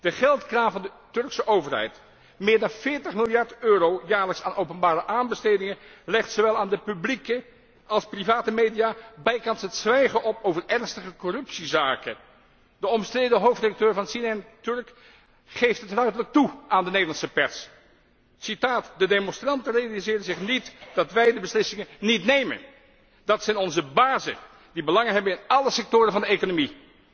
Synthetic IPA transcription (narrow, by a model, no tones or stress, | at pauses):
d̥əχɛlˠtkraːvɑndə | tɵɹksəʔowvərɦɛ̰jt | mɪːɹdɑnvɪːɹtəχmɪlˠjɑɹtøːɾowjaːɹləksaːnʔowpənbaːɾəʔaːnbəstejdɪŋəlɪχtsoʋɛlˠaːndəpyblikə | ɑlˠsprivaːtəmejdijaːbɛjkɑnsɦətsʋɛjχəʔɔpowvərɛɹnstəχəkɔrɵpsizaːkə | d̥əɔməstrejdəɦowftredɑk̚tøːɹvɑnsinɛntɵɹk | χejftɦətrœɥdələk̚tuʔaːndənejdlɑnsəpɛrs | sitaːtdədejmɔnstrɑntənrejalizɪːrənzɪχnitd̥ɑtʋɛjdəbəslɪsɪŋənnitnejmə̰n | dɑtsɛjnɔnzəbaːzə̰ | dibəlɑŋənɦɛbənɪnɑləsɛk̚tʊːɾənvɑndəejkonomi